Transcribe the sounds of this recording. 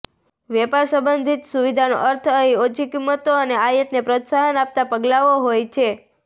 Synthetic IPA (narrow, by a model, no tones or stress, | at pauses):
ʋɛpaɾsə̃mbənd̪ʱit̪suʋid̪ʱano̰ʔəɾt̪ʰəiot͡ʃʰikimːət̪oəneajət̪nepɾot̪saɦənap̚t̪apəɡlaʋoɦojt͡ʃʰe